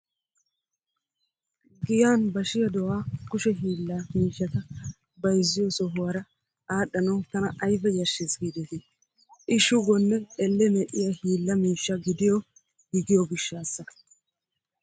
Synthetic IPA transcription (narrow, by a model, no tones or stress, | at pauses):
ɡɪjaːnbɐʃɪjɐd̪ɔwaːkʊʃɛɦiːlːɐmiːʃːɐt̪ɐ | bɐjzːɪjɔsɔɦʊwɐɾɐ | aːɗɐnɐwt̪ɐnɐʔɐjbɛjɐʃeːsɡiːd̪ɛt̪ɪ | ʔɪʃʊɡɔnːɛɛlːɛmɛʔɪjahiːlːɐmiːʃːɐɡɪd̪ɪjɔ | ɡ̥ɪɡɪjɔɡɪʃːaːsːɐ